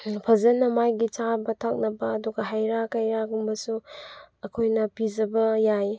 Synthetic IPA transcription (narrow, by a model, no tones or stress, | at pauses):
pʰɐzɐnːɐmajɡit͡ʃabɐtʰak̚nɐbɐːduɡɐɦajɾakɐjɾaɡumbɐsuɐkʰojnɐpid͡ʒɐbɐjaj